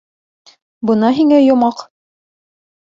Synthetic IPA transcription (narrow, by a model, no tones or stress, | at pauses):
bɤ̆nɑɦiŋæjŏmɑq